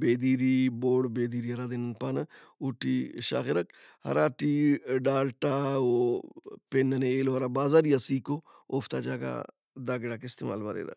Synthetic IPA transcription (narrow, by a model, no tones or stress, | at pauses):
beːd̪iːɾiboːɽbeːd̪iːɾiɐɾaːd̪enɐnpaːnɐ | uʈːiʃa̰ːɣɪɾɐk | hɐ̰ɾaːʈiɖaːlʈao | penːɐneeːlɦoːɾabaːzaːɾijɐsiːko | oft̪aːd͡ʒaːɡa̰ | d̪aɡɽaːkeɪst̪eːma̰ːlʋɐɾḛːɾɐ̰